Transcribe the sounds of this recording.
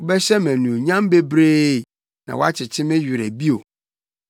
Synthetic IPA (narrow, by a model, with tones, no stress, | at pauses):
ʊ˨˦bɛ˦ɕɛ˦mæ̃˨nũ˨o˨ɲã˦mbe˦bɾeː˦˨ | nã̰˨wɔ˦a˦t͡ɕʰɪ˨t͡ɕʰɪ˦mɪ̃˦ɥᶣɪ˨ɾæ˨bi˦o˨